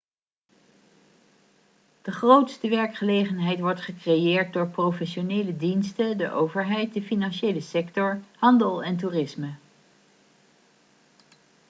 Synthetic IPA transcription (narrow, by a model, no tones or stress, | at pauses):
d̥əχrowtstəʋɛɹkχəlejχənɦɛjtʋɔɹtχəkrejɪːɹt̚dʊːɹprowfɛʃonejlədinstədəʔowvəɹɦɛjt̚dəfinɑnʃejləsɛktɔɹhɑndəlˠɛntuːrɪsmə